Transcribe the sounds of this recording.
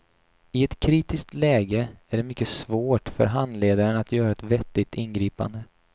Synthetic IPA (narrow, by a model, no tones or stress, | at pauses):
ɪɛt̪kʰɾiːt̪ɪsk̚t̪lɛːɡəæɖɛmʏkːəsvoːʈfœ̰ɾɦand̪leːd̪aɾənat̪ʰjœːɾaɛt̪vɛt̪ːɪt̪ɪnɡɾiːpa̰nd̪ə